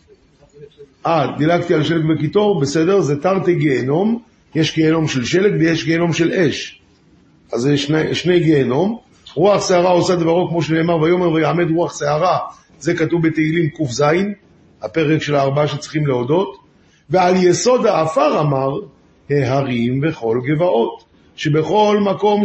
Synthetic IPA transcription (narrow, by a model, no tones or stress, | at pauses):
ʔad̪ilaɡt̪ialʃelekbekit̪o̞ʁbese̞de̞ʁzetaʁt̪eɡeːno̞m | jeʃɡeːno̞mʃe̞lʃe̞lekvejeʃɡeːno̞mʃe̞le̞ʃ | ʔazeʃneʃne̞jɡeːno̞m | ʁuaχseaʁao̞sad̪vaʁokmo̞ʃ̬ene̞ːmaʁvajo̞meʁvajaːme̞d̪ʁuaχseaʁa | ze̞katuvbet̪eilimkufzain | hape̞ʁekʃe̞laːʁbaaʃet͡siχimleodo̞t | vealjeso̞d̪haːfaʁamaʁ | heɦaʁimbe̞χo̞lɡe̞vaʔo̞t̪ | ʃe̞be̞χo̞lmako̞m